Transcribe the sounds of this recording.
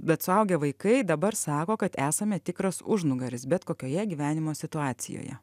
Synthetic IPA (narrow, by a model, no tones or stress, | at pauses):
bʲɛt̪sʊɐʊɡʲɛʋɐɪkɐɪd̪ɐbɐɾsɑːkoːkɐt̪æːsɐmʲɛt̪ʲɪkɾɐsʊʒnʊɡɐɾʲɪsbʲɛt̪koːkʲoːjɛɡʲiːʋʲæːnʲɪmoːsʲɪt̪ʊɑːsʲɪ̰jo̰ːjɛ̰